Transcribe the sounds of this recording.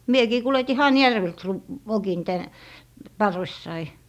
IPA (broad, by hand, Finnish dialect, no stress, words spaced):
miekiː kuleti hɑjærʋelt se r ʋokin tæn pɑrʋesːɑi